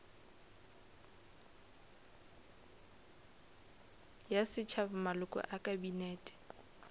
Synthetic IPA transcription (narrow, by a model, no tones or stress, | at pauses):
jasɪt͡ʃʰabʊmalʊkʼɔ̰ʔakʼabineːtʼɪ̥